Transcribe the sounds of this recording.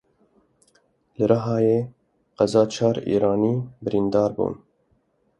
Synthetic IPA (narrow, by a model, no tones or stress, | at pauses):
lɨɾʔɑɦɑːjeː | qæzɑːt͡ʃʰɑːɾḭːɾɑːniːbɨɾind̪ɑːɾbṵːn